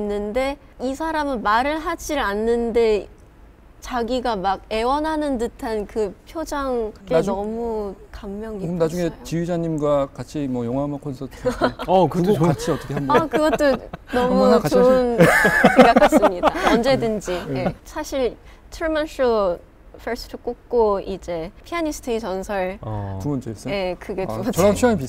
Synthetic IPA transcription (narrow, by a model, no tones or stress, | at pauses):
inːɯnde̞ | isʰaɾamɯnmaɾɯɭɦad͡ʑiɾanːɯnde̞ | t͡ɕaɡiɡamaɡ̚e̞wʌnɦanɯndɯtʰankɯpʰjod͡ʑaŋenʌmukamːjʌŋiɯnad͡ʑuŋe̞t͡ɕijud͡ʑaɲimɡwakat͡ɕʰimwʌjʌŋɦamakʰʌnsʰʌtʰ | uɡokat͡ɕʰiʌt͈ʰʌkʰeandkɯɡʌt͈onʌmukat͡ɕounsʰeɡakʰas͈ɯmɲidaʌnd͡ʑe̞dɯnd͡ʑie̞sʰaɕʰiɭ | t͡ɕʰɯɭmans͈o | fʰeɭs͈ɯ̥tʰɯk͈ok̚k͈oid͡ʑe̞pʰiaɲisʰɯ̥tʰɯit͡ɕʌnsʰʌɭtumʌnd͡ʑes͈ʌje̞kɯɡeuɾat͡ɕʰiaŋep̬is